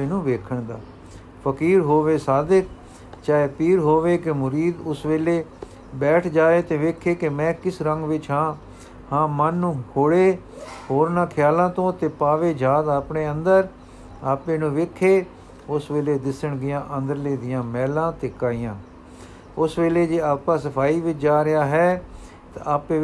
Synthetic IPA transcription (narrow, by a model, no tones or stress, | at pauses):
eːnũːʋeːkʰəɳd̪aː | pʰəkiːɾɦoːʋeːsaːd̪ɪk̚ʰ | t͡ʃaːeːpiːɾɦoːʋeːkemʊɾiːd̪ʊsʋeːleː | bɛːʈʰd͡ʒaːeːt̪eːʋeːkʰeːkɪmɛ̃ːkɪsɾəŋɡʋɪt͡ʃɦãː | hãːmənːũːkʰoːɽeː | hoːɾnãːkʰjaːlãːt̪õːt̪eːpaːʋeːd͡ʒaːd̪aːpɳeːənd̪əɾ | aːpẽːnũːʋeːkʰːeː | ʊsʋeːleːd̪ɪsəɳɡɪjãːʔənd̪əɾleːd̪ɪjãːmɛːlãːt̪eːkaːɪjãː | ʊsʋeːleːd͡ʒeːaːpãːsəpʰaːiːʋɪt͡ʃd͡ʒaːɾɪjaːɦɛː | t̪aaːpeː